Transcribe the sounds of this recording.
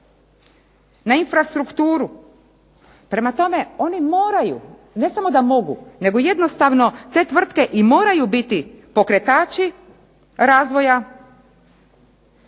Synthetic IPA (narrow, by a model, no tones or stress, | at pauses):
nainfɾast̪ɾukt̪uːɾu | pɾe̞mat̪o̞me̞o̞nimo̞ːɾajṵ | ne̞samo̞d̪amo̞ɡṵne̞ɡo̞je̞d̪no̞st̪aʋno̞t̪e̞ːt̪ʋr̩t̪ke̞ʔimo̞ːɾajubit̪ipo̞kɾe̞t̪aːt͡ʃi | ɾaːzʋo̞ja